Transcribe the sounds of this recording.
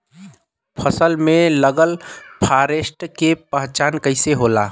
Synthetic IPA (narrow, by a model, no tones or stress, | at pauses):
pʰəsəlmeləɡəlpʰaɾesʈkepəɦt͡ʃaːnkəɪseɦola